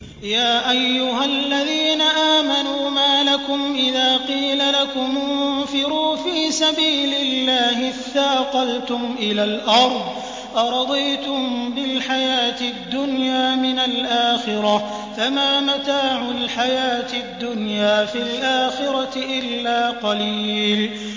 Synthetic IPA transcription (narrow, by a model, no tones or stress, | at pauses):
jaːʔajːʊɦalːaðiːnaʔaːmanuːmaːlakʊmʔɪðaːqiːlalakʊmʊfɪɾuːfiːsabiːlɪlːaːɦɪθːaːqɑlt̪ʊmʔɪlaːlʔɑɾˤd̪ˤ | ʔɑɾˤɑd̪ˤijt̪ʊmbɪlħajaːt̪ɪd̪ːʊnjaːmɪnalʔaːxɪɾa | famaːmat̪aːʕʊlħajaːt̪ɪd̪ːʊnjaːfɪlʔaːxɪɾat̪ɪʔɪlːaːqɑliːl